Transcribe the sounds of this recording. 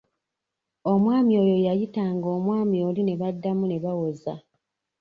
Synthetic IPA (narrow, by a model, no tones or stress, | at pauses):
o̞mwaːmio̞ːjo̞jajitaŋɡo̞ːmwaːmijo̞ːline̞βadːamune̞βawoza